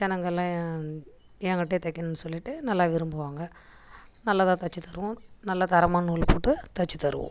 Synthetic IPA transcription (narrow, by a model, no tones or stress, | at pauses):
d͡ʒɛnɐŋɡɐlːãː | ɛŋɡɐʈːeːt̪ɐkːɐnɯnːɯsɔlːɪʈːɯnɐlːaːʋɪɾɯmbɯʋaːŋɡɐ | nɐlːɐðãːt̪ɐt͡ʃːit̪ɐɾɯʋʊ̃nɐlːɐt̪ɐɾɐmaːnuːlpoːʈːɯt̪ɐt͡ʃːit̪ɐɾɯ̰ʋʊ̰̃